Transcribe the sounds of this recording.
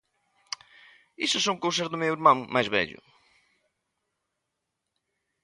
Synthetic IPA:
isusːowŋkowsɐzðʊmewiɾmãŋmajzβɛ̰ʎʊ̰

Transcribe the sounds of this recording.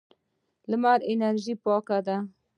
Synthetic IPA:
ləmaɾenaɾʒipɑkad̪a

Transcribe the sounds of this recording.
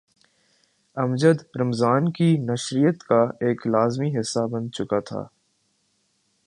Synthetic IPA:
ɐmd͡ʒəd̪ɾɐmzaːnkinɐʃɾijət̪kaeːklaːzmiɦɪsːabɐ̃nd̪̚t͡ʃʊkat̪ʰa̰ː

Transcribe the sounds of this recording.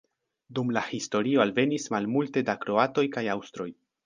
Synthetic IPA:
dumlahisto̞ɾio̞alve̞nismalmulte̞dakɾo̞ato̞jkajawstɾo̞j

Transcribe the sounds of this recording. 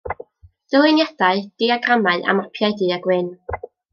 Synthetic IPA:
d̥əwɪnjad̥aɨd̥iaɡramaɨʔa̰mapʰjaɨdiːaɡwɨn

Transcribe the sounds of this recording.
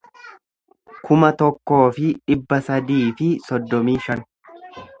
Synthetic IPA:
kʰʊmɐt̪ɔkːo̞ːfɪᶑɪbːɐsɐd̪iːfɪsɔd̪ːɔmiːʃɐn

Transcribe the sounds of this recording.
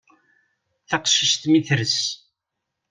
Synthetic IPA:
θɑqʃiʃt̪miθɾəs

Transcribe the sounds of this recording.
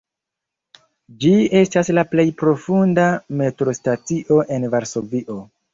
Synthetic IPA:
d͡ʒie̞staslaple̞jpɾo̞fundame̞tɾo̞stat͡siʔo̞ʔe̞nvaɾso̞viʔo̞

